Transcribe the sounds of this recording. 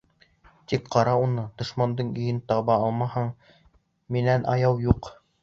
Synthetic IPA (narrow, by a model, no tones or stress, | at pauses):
t̪ikqɑɾɑunɤd̪̥ŏʃmɑnd̪ɤɴɵ̆jɘnt̪ɑβɑɑlˠmɑhɑɴ | minænʔɑjɑwjuq